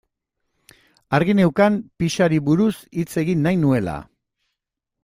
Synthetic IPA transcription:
aɾɣine̞wkampiʃaɾiβuɾusit͡se̞ɣinːajnue̞la̰

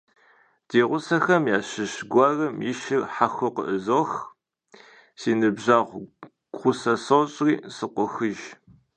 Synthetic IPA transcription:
d̥eːʁʷʊsɐxɐmjaːɕɨɕɡʷɑːrɐmjɪʃɪrħaxʷʊqə̰ʔəzoːx | siːnɨbʑaːʁʷ | ɡ̥ʷʁʷʊsɐsoɕʼriːsɨqʷɔxɨʒ

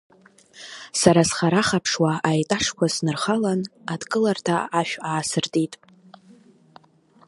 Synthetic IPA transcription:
saɾasχaɾaχapʰʂwaajtʼaʂkʷasnɨrχalanadkʼɨlartʰa̰aʃᶣaːsɨrtʼitʼ

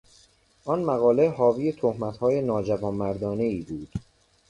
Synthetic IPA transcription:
ʔɒnmæɣɒːleɦɒːviːjet̪ʰohmæt̪hɒːjenɒːd͡ʒævɒːnmæɾd̪ɒːne̞iːbuːd̪̥

